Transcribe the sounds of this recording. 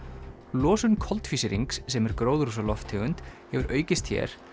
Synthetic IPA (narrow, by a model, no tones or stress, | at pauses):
lɔːsʏnkʰɔlt̪fisɪɾiŋksːɛmɛɾkɾoːwðɾusalɔft̪ʰɪɣʏnt̪hɛvʏɾʔœːɥcɪst̪çɛ̰ɾ̥